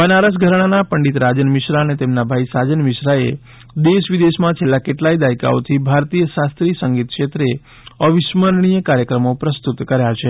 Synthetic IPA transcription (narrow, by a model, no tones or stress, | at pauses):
pənaɾəs̬ɡʱəɾɽ̃anapəɳɖit̪ɾad͡ʒənmɪʃɾaənet̪emnabʱaisad͡ʒənmɪʃɾaḛ | d̪eʃʋid̪eʃmãt͡ʃʰelːakeʈlaid̪ajka̰o̰t̪ʰibʱaɾt̪ijəʃast̪ɾisəŋɡit̪̚kʃet̪ɾe | əʋɪʃməɾɳ̃ijəkaɾjəkɾəmopɾəst̪ut̪kəɾjat͡ʃʰe